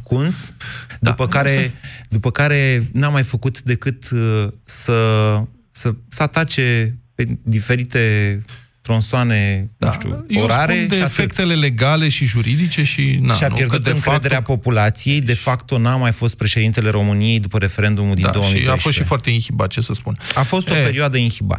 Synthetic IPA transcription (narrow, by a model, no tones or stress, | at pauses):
skunsd̪upəkaɾe̞d̪upəkaɾe̞namajfəkut̪d̪e̞kɨt̪ | sə | səsəat̪at͡ʃe̞pe̞d̪ife̞ɾit̪e̞ | t̪ɾonsoane̞nṵʃt̪ṵjoɾaɾed̪eiafekt̪eleleɡale̞ʃiʒuɾid̪it͡ʃe̞ʃinaʃianpje̞rd̪t̪ɨŋkɾed̪e̞ɾeapo̞pulat̪sije̞jd̪e̞fakt̪o̞namajfo̞st̪̚pɾe̞ʃed̪int̪e̞le̞ɾo̞mɨnije̞jd̪upəɾe̞fe̞ɾe̞nd̪umuld̪inao̞wəmḭafʃost̪ʃifoart̪e̞inhiba̰t̪̚t͡ʃe̞səspunafo̞st̪ope̞ɾioad̪əinxiba̰